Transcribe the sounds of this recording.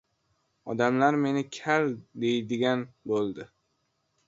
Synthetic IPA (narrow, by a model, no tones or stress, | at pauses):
ɒd̪amlaɾme̞nɪkʲʰald̪e̞jd̪ɪɡʲanbolˠd̪ɪ